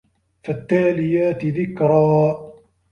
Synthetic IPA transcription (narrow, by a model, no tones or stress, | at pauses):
fat̪ːaːlɪjaːt̪ðɪkɾˤɑː